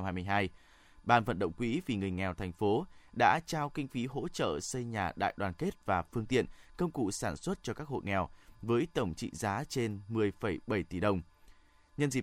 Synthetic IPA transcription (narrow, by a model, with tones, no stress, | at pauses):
mhaː˧jmɨ˧jɦaː˧j | ɓaː˨˩nvə̰˧˨nɗə̰˧˨wŋ͡mkwḭ˧˥vi˨˩ŋɨ˨˩əjŋɛ˨˩wt̪ʰɛ˨˩jŋ̟fo˨˦ɗa̰ː˧˥t͡ɕaː˧wkï˧ŋ̟fi˨˦ɦo̰˧˥t͡ɕə̰ː˧˨sə˧jɲaː˨˩ɗa̰ː˧˨jɗwaː˨˩nke˦˥t̚vaː˨˩fɨ˧əŋt̪ḭ˧˨ənkə˧wŋ͡mkṵ˧˨saː˧˩nswə˦˥t̚t͡ɕɔ˧kaː˦˥k̚ho̰˧˨jŋɛ˨˩wvəː˨˦jt̪ə˧˩wŋ͡mt͡ɕḭ˧˨zaː˨˦t͡ɕe˧nmɨ˨˩əjfə˧˩jɓə˧˩jt̪i˧˩ɗə˨˩wŋ͡m | ɲə˧nzḭ˨˩